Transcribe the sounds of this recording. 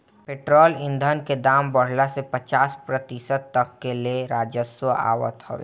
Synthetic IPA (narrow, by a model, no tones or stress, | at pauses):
peːʈɾɔːlɪ̃nd̪ʱənked̪aːmbəɽ̤lasepɐt͡ʃaːspɾət̪ɪsəd̪̚t̪ɐkːelieɾaːd͡ʒəswəa̰ːwə̰t̪hɐ̰ʋḛ